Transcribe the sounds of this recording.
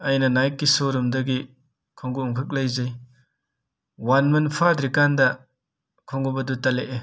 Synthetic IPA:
ɐjnɐnajt̚kːisoɾumdɐɡi | kʰɔŋɡuɔŋkʰɯk̚lajzɐj | wanmɐnpʰadɾikandɐ | kʰɔŋɡubɐdutaleʔe

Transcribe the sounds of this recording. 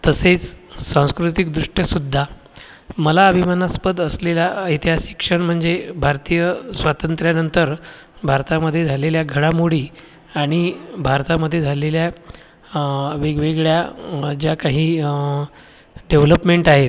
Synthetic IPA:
t̪əset͡ssãw̃skɾut̪ikd̪ɾuʂʈjəsud̪ʱːa | məlaəbʱimanaspəd̪əslelait̪iɦasi̥kʂəɳm̤əɳd͡zebʱaɾt̪ijəsʋat̪ənt̪ɾjanənt̪əɾ | bʱaɾt̪aməd̪ʱːjed͡zʱaleljaɡʱəɽamoɽiː | aɽ̃ibʱaɾt̪aməd̪ʱːjed͡zʱalelja | ʋeɡʋeɡɭjad͡ʑjakaɦiː | ɖeʋləpmeɳʈaɦet̪̚

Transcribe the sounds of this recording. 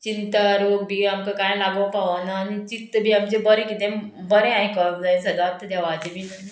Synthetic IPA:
t͡ɕint̪əɾokbʱiːamkakãj̃laɡəpaʋanaːnit͡ɕit̪ːəbʱiːamd͡ʑebəɾẽkit̪ẽbəɾẽãɦẽkəɭkd͡zaẽsəd̪ap̚t̪ʰəd̪aʋat͡ɕebʱin

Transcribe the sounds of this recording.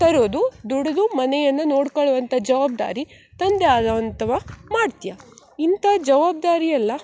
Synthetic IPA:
t̪ɐɾoːd̪ud̪uɽɐd̪umɐnɛjɐnːɐnoːɽkɐɭuʋɐnt̪ʰɐd͡ʒɐʋaːb̚d̪a̰ːɾi | t̪ɐnd̪eaːd̪ʋɐnt̪ɐʋɐmaːɖt̪ijaint̪ɐd͡ʒɐʋaːb̚d̪aːɾijɐlːɐ

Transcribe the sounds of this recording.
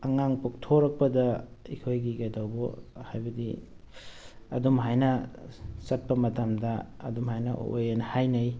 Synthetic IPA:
ɐŋaŋpok̚tʰoɾɐk̚pɐdɐikʰojɡiɡajdawbo̰hajbɐdḭ | ɐ̰dumɦajnɐ | sɐt̚pɐmɐtɐmdɐ̰ːdumhajnɐ̰o̰jenɐhajnɐj

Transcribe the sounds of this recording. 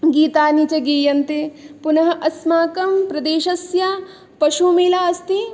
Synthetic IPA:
ɡiːt̪aːnit͡ʃɐɡiːjɐnt̪epunɐɦɐ̆ʔɐsmaːkɐmpɾɐd̪eːʃɐsja | pɐʃumiːlaːɐst̪i

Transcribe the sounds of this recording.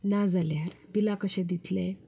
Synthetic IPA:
nad͡zaljabilakəɕẽd̪it̪lẽ

